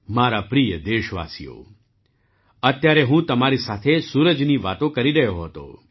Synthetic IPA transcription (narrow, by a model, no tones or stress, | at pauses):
maɾapɾijəd̪eʃʋa̰sḭjo̰ | ət̪jaɾeɦũt̪əmaɾisat̪ʰesuɾəd͡ʒniʋat̪õkəɾiɾəjoɦət̪o̰